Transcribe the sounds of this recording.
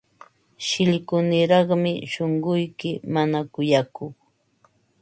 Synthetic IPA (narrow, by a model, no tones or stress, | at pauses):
ʃɪʎkʊnɪɾɑχmɪʃoɴɢʊjkɪmanakʊjakʊχ